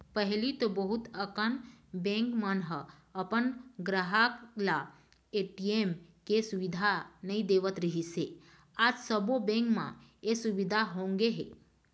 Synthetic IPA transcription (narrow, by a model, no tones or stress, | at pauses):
pəɦilit̪obəɦut̪əkənbẽŋkmənɦə | əpənɡɾəɦakla | eʈiemkesuʋid̪ʱanəĩd̪eʋət̪ɾəɦise | ad͡ʒsəbobẽŋkmã̰esuʋid̪ʱaɦõŋɡeɦḛ